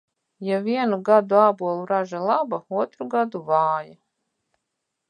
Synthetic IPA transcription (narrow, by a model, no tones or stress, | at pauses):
javiɛnuɡad̪uaːbuɔlˠuɾaʒalˠabauɔt̪ɾuɡad̪uvaːja